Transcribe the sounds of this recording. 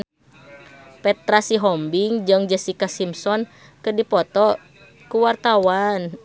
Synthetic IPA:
pɛt̪ɾasiɦɔmbiŋd͡ʒɨŋd͡ʒɛsikasimsɔn | kədipɔt̪ɔ | kuwart̪awan

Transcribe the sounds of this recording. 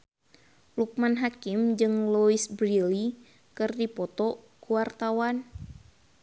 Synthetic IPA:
luk̚manɦakimd͡ʒɨŋluisbɾili | kɨrdipɔt̪ɔ | kuwart̪awan

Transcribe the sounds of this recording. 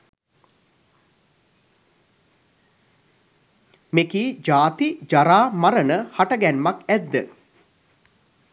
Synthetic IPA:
mekiːd͡ʒaːt̪id͡ʒaɾaːmaɾənəhaʈəɡænmakæd̪ːə

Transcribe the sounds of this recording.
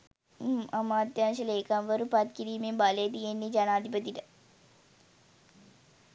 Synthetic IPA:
amaːt̪jaːnʃ̬əleːkamʋəɾupat̪kiɾiːmembaləjət̪̬ijenːed͡ʒanaːd̪ipət̪iʈə

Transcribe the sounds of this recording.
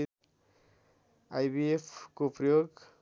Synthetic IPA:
ajbiepʰkopɾʌjoɡ

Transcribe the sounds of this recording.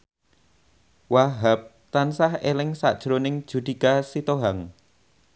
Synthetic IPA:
waɦap̚ | t̪ansahelɪŋsa̰ʔd̥ʒ̥ɾonɪŋd̥ʒ̥ṳd̪̥ikasit̪oɦaŋ

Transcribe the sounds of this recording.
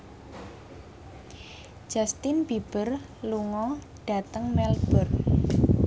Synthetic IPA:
d͡ʒ̥ast̪ɪnb̥ib̥ər | luŋɔ | ɖ̥a̤t̪əŋmɛlb̥ə̤r

